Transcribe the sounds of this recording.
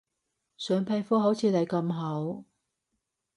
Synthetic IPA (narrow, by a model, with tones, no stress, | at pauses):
sœː˨˧ŋpʰa˧jfɔː˥ɦo˨˥wt͡sʰiː˨˧t̪ɐ˨˩jkɐ˧mɦɐ˨˥w